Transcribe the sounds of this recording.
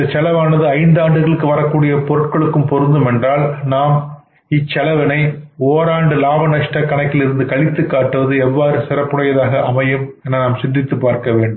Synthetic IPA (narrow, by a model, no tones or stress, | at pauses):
ɐt͡ʃːɐlɐʋaːnɐðɯɐɪnd̪aːɳɖɯɣɐɭɯkːɯʋɐɾɐkːuːɽɪjɐpɔɾɯʈkɐɭɯkːɯmpɔɾɯnd̪ɯmɛndraːlnaːm | ɪt͡ʃːɐlɐʋɐnɐɪoːɾaːɳɖɯlaːbɐnɐʂʈɐkːɐɳɐkːɪlɪɾɯnd̪ɯkɐɭɪt̪ːɯkːaːʈːɯʋɐðɯɛʋːaːɾɯsɪrɐpːɯɽɐjɐðaːɣɐʔɐmɐjɐmɛnanaːmsɪndrɪt̪ːɯpːaːɾkɐʋeːɳɖɯ